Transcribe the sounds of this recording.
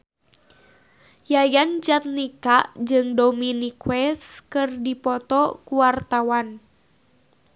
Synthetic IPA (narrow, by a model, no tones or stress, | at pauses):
jajand͡ʒat̪̚nikaʔd͡ʒɨŋdominikwɛskɨrdipɔt̪ɔkuwart̪awan